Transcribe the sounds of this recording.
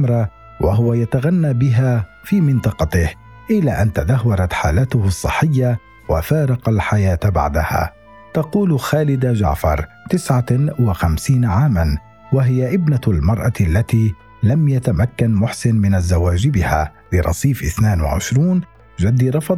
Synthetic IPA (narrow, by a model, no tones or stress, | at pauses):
ɾˤɑ | waɦʊwajat̪aɣanːaːbɪɦaː | fiːmɪnt̪ˤɑqɑt̪ɪh | ʔɪlːaʔant̪ad̪ahwɑɾˤɑt̪ħaːlaːt̪ʊhsˤːɨħːɪjːa | wafɑːɾˤɑqɑlħajaːt̪ba̰ʕd̪aha̰ː | t̪ɑquːlxaːlɪd̪d͡ʒa̰ʕfɑ̰ɾˤ | t̪ɪsʕawaxamsiːnaʕaːman | waɦɪjaʔɪbnalmɑɾˤʔɑlːat̪iː | lamjat̪amakːanmʊħsɪnmɪnazːawaːd͡ʒɪbɪha̰ː | lɪɾˤɑ̰sˤiːfʔɪθnaːnwa̰ʕɪ̰ʃɾuːn | d͡ʒad̪ːiɾˤɑfɑd̪